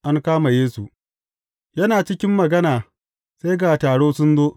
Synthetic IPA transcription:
ʔa˦ŋkaː˦ma˨jeː˦su˨ | jɐ˦naː˨t͡ʃɪ˦kʲɪ˦mːɐ˨ɡɐ˦naː˨ | se˦jɡaː˨taː˨ɽoː˦sʊ˦nzoː˦

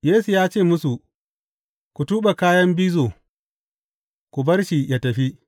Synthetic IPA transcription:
jeː˦su˨jaː˦t͡ʃeː˦˨mʊ˦su˨ | kʷu˨tuː˦ɓa˨kaː˦jɐ˦mbiː˦zoː˨ | kʷu˨bɐ˦rʃi˨ja˦tɐ˨ɸi˦ʔ

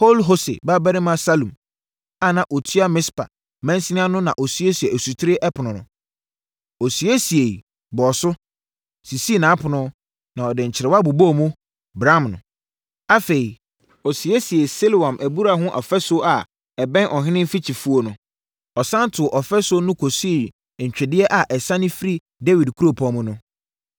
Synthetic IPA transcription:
po˦lɦo˦sḛ˨ba˦bɛ˦ɾɪ̃˦mã˦sa˦lũ˨m | a˨nã˨ʔo˨tʰɥa˦mɪ̃˦spʰa̰˨ | mɛ̃˦n˦sɪ˦nɪ̃˦a˦nʊ̃˦nã˨ʔɔ˨sɥe˦si˨e˨æ˨su˨tʰɪ˦ɾɪ˦ʔɛ˦pʰʊ˨nʊ̃˨nʊ̰̃˨ | o˨si˨e˦si˨e˨ | bɔː˨sʊ˦ | si˨si˦˨nãː˨˦pʰʊ˨nʊ̃˦ | nã˨ɔ˨dɪ̃˨ɲ̩˨t͡ɕʰɪ˨ɾɛ˨wa˦bu˨bo˦˨mũ˦ | bɾã˦˨mnʊ̰̃˨ | a˦fe˨i˨ | ɔ˨si˨e˦si˨e˨se˦lwã˨mʔæ˨bu˦ɾa˨ɦʊ̃˦ʔɔ̰˨fɛ˦sʊ˦a˨ | ɛ˨bɛ̃˦nʔɔ˨ɦɪ̃˦nɪ̃˦m̩˦fi˦t͡ɕʰi˨fu˦o˦nʊ̃˨ | ɔ˨sã˦n˦tʰʊ˨ʔɔ˨fɛ˦sʊ˦nʊ̃˦kʰo˨si˦e˨ | ɲ̩˨t͡ɕᶣɪ˨dɪ˦ɛ˦ʔa˨ʔɛ˨sã˦nɪ̃˦fɪ˦ɾi˦ | dɛ˦wi˨dkʰu˦ɾo˨pʰɔ̃˨mʊ̃˦nʊ̃˦

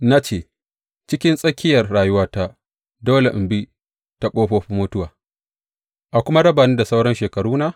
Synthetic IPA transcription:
na˦t͡ʃeː˨ | t͡ʃɪ˦kʲɪ˦nsʼɐ˦kʲʰɪ˦jɐ˨rɽaː˨jʊ˦waː˦ta˦ | doː˦le˨ʔmbi˦ | ta˦kʷʼoː˦ɸoː˦ɸi˦moː˦tʊ˦waː˨ | ʔa˨kʷʊ˦ma˦ɽɐ˦baː˨niː˦da˨sa˦wɽɐ˦nʃeː˨kɐ˨ɽuː˦na˦˨

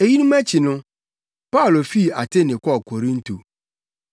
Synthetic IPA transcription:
e˨ji˦nũ˦mæ˦t͡ɕʰɪ˨nʊ̃˦ | pa˦ʊ˨lo˨fi˦˨a˨tʰe˦˨nɪ̃˨kʰɔ˦˨kʰo˨ɾĩ˦n˦tʰo˨

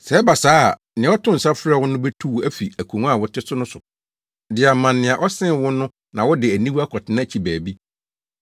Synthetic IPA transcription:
sɛ˨˦ɛ˦ba˨saː˦˨ | nɪ̃˨˦ɔ˦tʰʊ̃˦n̩˨sa˦fɾɛ˦˨wʊ˦nʊ̃˦bɛ˦tʰu˦wæ˦fi˨æ˨kʰu˨ŋ˦a˦˨wɔ˦tʰɪ˦sʊ˦nʊ̃˦sʊ˨ | dɪ˨a˨mã˨nːɪ̃˨a˨ʔɔ˦sɪ̃˦n˨wʊ˦nʊ̃˦ | nã˨wɔ˦dɪ˨æ˨nĩ˦wu˦a˦kʰɔ˨tʰɪ˨nã˦˨t͡ɕʰi˨bæː˨bi˦

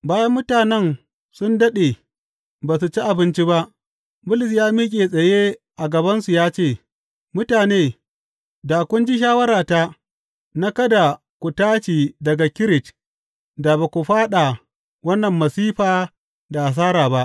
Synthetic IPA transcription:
baː˦jɐ˦mːʊ˦taː˨nɛ˦˨n | sʊ˦ndɐ˦ɗe˨ | baː˨s̬u˨t͡ʃi˦ʔa˨bɪ˦nt͡ʃi˦ba˦ʔ | bʊ˦lɪ˨s̬jaː˦miː˦kʲʼeː˨sʼɐ˨je˦ | ʔa˨ɡɐ˨bɐ˦nsu˨jaː˦t͡ʃeː˦˨ | mʊ˦taː˨neː˦ | daː˨kʷʊ˦nd͡ʒi˦ʃ̬aː˦wɐ˦ɾaː˨ta˦ | na˦kɐ˦da˨ | kʷu˨taː˦t͡ʃiː˨dɐ˨ɡa˨kʲɪ˦ɾɪ˨t͡ʃ | da˨ba˨kʷu˨ɸaː˦ɗa˨ | wɐ˦nːɐ˨mːɐ˨siː˦ɸaː˨ | da˨ʔa˨s̬aː˦ɾaː˨ba˦ʔ

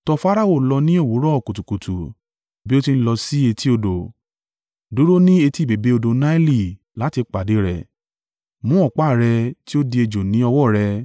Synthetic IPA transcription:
tɔ˧fa˦ɾa˦o˦˨lɔ˧nĩ˦o˦˨wu˨˦ɾɔ˦ɔ˨ko˨tu˨ku˨tʰu˨ | bi˦o˦ti˧n̩˦lɔ˧si˦e˧tʰi˦o˧do˨ | du˨˦ɾo˦nĩ˦e˧ti˦˨be˨be˨˦o˧do˧na˦i˦li˨ | la˨˦ti˧k͡pa˨de˨˦ɾɛ̰˨ | mũ˨˦ɔ˦˨k͡pa˦˨ɾɛ˧ti˦o˦di˧e˧d͡ʒo˨nĩ˨˦ɔ˧wɔ˦˨ɾɛ˧

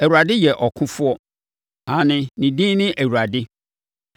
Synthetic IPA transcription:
æ˨wu˨ɾa˨dɪ˦jɛ˨ʔɔ˨kʰʊ̃˦fʊ˦ɔ˦ | ã˨nɪ̃˨nĩ˨dĩ˦nɪ̃˦ʔæ˨wu˨ɾa˨dɪ˦

